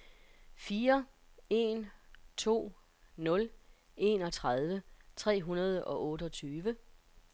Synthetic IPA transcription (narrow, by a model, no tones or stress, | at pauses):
fiːɐ | e̝nt͡sʰo̝̰ː | nɔ̽l | ʔe̝nɒ̽t͡sʰʁað̞ˠʋət͡sʰʁɛ̰ːɦunɐð̞ˠəʔɒ̽ʔɔ̽ːɾəɒt͡sʰyːʋə